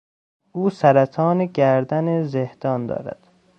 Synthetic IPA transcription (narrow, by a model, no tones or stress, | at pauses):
ʔuːsæɾæt̪ʰɒːneɟæɾd̪ænezehd̪̥ɒːnd̪ɒ̰ːɾæ̰d̪̥